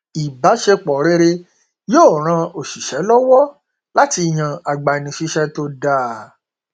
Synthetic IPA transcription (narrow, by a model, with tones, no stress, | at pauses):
i˨ba˨˦ʃe˧k͡pɔ˨ɾe˦˧ɾe˧ | joː˦˨ɾ̃ã˧o˨ʃi˨ʃɛ˨˦lɔ˦wɔ˦ | la˦ti˧˨j̃ã˨a˨ɡ͡ba˨i˨nĩ˨ʃi˧ʃɛ˧to˧da˦˨